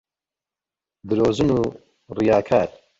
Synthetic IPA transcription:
d̪ɨɾoːzɨnuː | rijaːkʰaːɾ

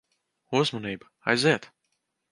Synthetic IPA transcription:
uzmɔniːbɐ | a̰jziɛt̪

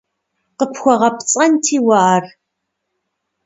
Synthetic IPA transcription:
qəpʰxʷɔʁɐpt͡sʼɐntʰiːwaːr

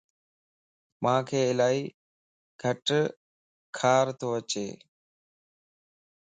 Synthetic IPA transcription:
mãːkʰeːɪlaːiː | ɡ̥ʱəʈ | kʰaːɾt̪ʰoːət͡ʃḛː

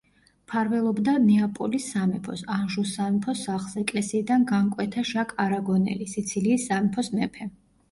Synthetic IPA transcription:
pʰaɾvɛlˠɔbd̪anɛapʼɔlisːamɛpʰɔsanʒusanpʰɔsːaχlˠz̥ɛkʼlɛsiːd̪anɡaŋkʼwɛt̪ʰaʃakʼaɾaɡɔnɛ̰lisit̪sʰiliːsːamɛpʰɔsmɛpʰɛ

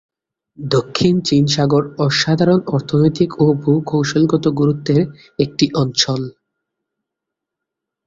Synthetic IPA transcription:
d̪okʰːint͡ɕinʃaɡoɾɔʃad̪ʱaɾonɔɾt̪ʰonojt̪ikobʱukʰowʃolɡɔt̪oɡuɾut̪ːeɾ | ek̚ʈiʔɔnt͡ɕʰol

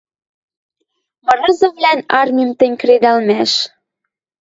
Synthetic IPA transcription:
mɤ̆ɾɤ̆zɤ̆vlænɑrmʲimt̪ə̆nʲkɾed̪ɑlmæʃ

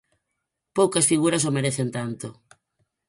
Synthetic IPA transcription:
powkɐsfiɣuɾɐs̬omeɾeθent̪ant̪o

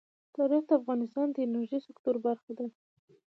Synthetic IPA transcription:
t̪ɑɾɪxd̪əafɣɑnɪst̪ɑnd̪əjnaɾʒəjsɪkt̪uɾbaɾxad̪a

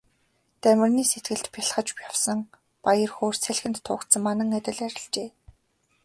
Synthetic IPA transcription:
t̪æmʲɪ̆rniːset̪̚ɡɘ̆ɮt̪pʰʲaɬχə̆t͡ɕpjawsə̆ŋ | pajə̆rxoːr̥sʰeɮxɘ̆nt̪ʰːʊːkt̪sə̆ŋmanə̆ŋæt̪ʲɪ̆ɮæɾʲɪ̆ɮt͡ɕeː

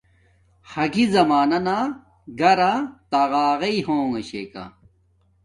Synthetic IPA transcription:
hɐɡizɐmaːnɐna | ɡɐɾat̪aɣaːʁɐiɦoːŋɐɕḛːkɐ̰

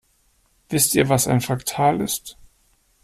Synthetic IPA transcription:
v̥ɪstiːɐvasa̰ɪnfaktʰaːlɪst

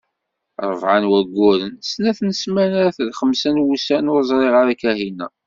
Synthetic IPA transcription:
ɾˤəvʕanwæɡʷːʊɾənsnæθnəsmænaɾæθəlχəmsænwusænozˤɾˤeʁəɾækæhinːæ̰

